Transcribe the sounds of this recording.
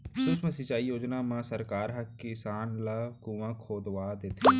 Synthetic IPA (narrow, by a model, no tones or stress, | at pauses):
ʃʊsmə̃sɪt͡ʃaːijoːd͡ʒnaːmãːsəɾkaːɾɦəkːɪsaːnləkũʋãːkʰoːd̪ʋaːd̪et̪ʰː